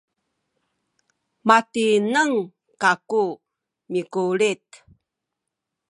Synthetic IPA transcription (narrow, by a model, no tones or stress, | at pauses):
matinəŋ | kaku | mikulit̪